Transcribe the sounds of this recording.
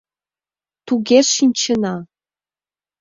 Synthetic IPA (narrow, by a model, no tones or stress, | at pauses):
t̪uɣeʃinʲt͡ɕə̆nɑ